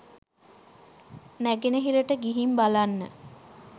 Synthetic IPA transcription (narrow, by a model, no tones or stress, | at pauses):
næɡenəɦiɾəʈəɡiɦimbalanːə̰